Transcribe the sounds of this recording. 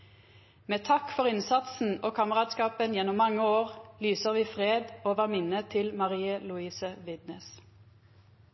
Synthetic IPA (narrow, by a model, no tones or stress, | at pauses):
meːt̪ʰɑkfɔʁɪnsɑt̪sn̩oːkʰɑːməʁɑːt̪skɑːpənjɛnʊmːɑŋːəoːʁlyːsəʁʋiːfʁeːd̪oːʋæmɪnət̪ʰɪlmɑʁiːəlʉiːsəʋɪd̪nəs